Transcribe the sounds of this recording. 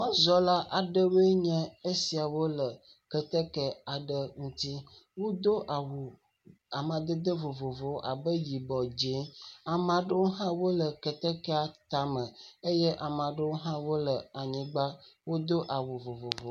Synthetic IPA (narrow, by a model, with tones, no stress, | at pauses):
nɔ̃˦zɔ˦la˦ʔa˨ɖə˦we˦ɲɛ̃˦e˦si˨a˨wo˦lə˨ | kə˨t̪ə˦kɛ˦a˨ɖə˦ŋũ˦t̪i˦wo˦d̪o˦a˨wo˨ | a˨mã˨d̪ə˦d̪ə˦vo˨vo˨vo˨a̰˨bə˦ji˨bɔ˨d͡ʒe˦a˨mã˨ɖə˦wo˦ɦã˦wo˦lə˨kə˨t̪ə˦kɛ˦a˨t̪a˨mə̃˨e˦jɛ˦ʔa˨m˨ã˨ɖə˦wo˦ɦã˦wo˦lə˨a˨ɲĩ˨ɡ͡ba˦wo˦d̪o˦ʔa˨wo˨vo˨vo˨vo˨